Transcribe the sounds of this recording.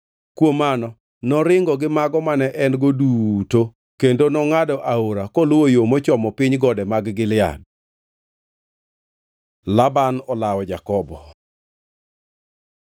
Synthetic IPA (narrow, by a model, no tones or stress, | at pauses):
kwomanɔ | nɔɾɪŋɡɔɡɪmaɡɔmanɛʔɛnɡoduto | kendonɔŋadɔʔaoɾakɔlwojomɔt͡ʃɔmɔpɪɲɡɔdɛmaɡɡɪlɪa̰d̚ | labanɔlawɔd͡ʒakɔbɔ